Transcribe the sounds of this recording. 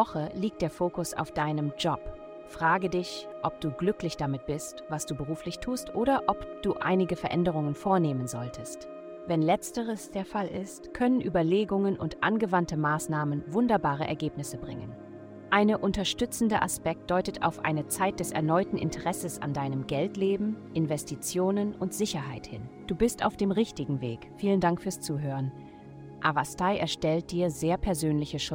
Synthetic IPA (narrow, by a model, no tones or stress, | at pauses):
ɔχəliːk̚t̚d̥eːɐfoːkʊsa̰ʊfd̥aɪnəmd͡ʒɔp | fʁ̥aːɡədɪç | ʔɔp̚d̥uːɡlʏklɪçd̥amɪt̚b̥ɪstvasd̥uːbəʁuːflɪçtʰuːstʔoːɾɐʔɔpd̥uːʔa̰ɪnɪɡəfɛɐʔɛndəʁ̞ʊŋənfoːɐneːmənzɔltʰəst | vɛnlɛt͡stəʁəsd̥eːɐfalɪ̰stkʰœnənʔyːbɐleːɡʊŋənʔʊntʔa̰nɡəvantəmaːsnaːmənvʊndɐbaːʁ̞ə̰ʔɛɐɡeːpnɪsəbʁɪ̰ŋə̰n | ʔaɪnəʔʊntɐʃtʏt͡sn̩dəʔa̰spɛk̚t̚d̥ɔʏtəta̰ʊfʔa̰ɪnət͡saɪt̚d̥ɛsɛ̰ɐnɔʏtn̩ɪ̰ntʰəʁɛsəsa̰ndaɪnəmɡɛltleːbm̩ʔɪnvɛstʰit͡sjoːnənʊntz̥ɪçɐɦaɪthɪnd̥uːbɪsta̰ʊfd̥eːmʁɪçtɪɡŋ̩vḛːkfiːləndaŋkfyːɐst͡suːɦøːʁən | ʔavastaɪʔɛɐʃtɛlt̚d̥iːɐzeːɐpʰɛɐzøːnlɪçəʃʊ